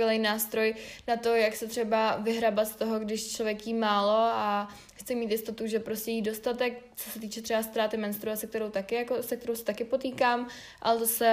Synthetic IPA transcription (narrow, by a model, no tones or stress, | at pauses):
ɛlɛjnaːst̪ɾo̞jnat̪o̞jaksɛt̪r̥ɛbavɪɦɾabat̪st̪oɦoɡdɪʃt͡ʃlovjɛkjiːmaːlo̞a | xt̪t͡sɪmiːt̪jɪst̪o̞t̪uʒɛpɾoscɛjiːdo̞st̪at̪ɛk̚t͡so̞sɛt̪iːt͡ʃɛt̪rɛbast̪ɾaːt̪ɪmɛnst̪ɾuasɛk̚t̪ɛɾowt̪akɪjakosɛk̚t̪ɛɾowsɛ̥t̪akɪpo̞t̪iːkaːm | ʔa̰lɛt̪osɛ